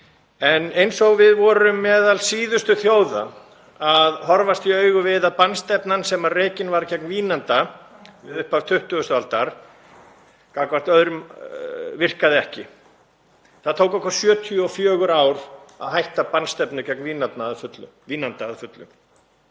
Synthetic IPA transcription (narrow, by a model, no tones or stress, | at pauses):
ɛnejnsɔɣvɪðvɔɾʏmːɛːðalsiːðʏst̪ʏθjoːwða̰ | aðhɔɾvast̪iœːɥɣʏvɪðaðpanst̪ɛpnansɛmareːjcɪnvaɾcɛknviːnant̪a | vɪðʏhpav̥t̪ʰʏht̪ʏɣʏst̪alt̪aɾ̥ | kaːkvar̥t̪œðɾʏm | vɪr̥kaðɪɛhcɪ | θaðt̪ʰoːwkɛhkvaɾ̥sjœːt̪ʰjɔfjœːɣʏɾaːwɾa̰ðɦajht̪apanst̪ɛpnʏcɛknviːnapnaːðfʏt̪lʏ̰mviːnant̪aːðfʏt̪lʏ̰m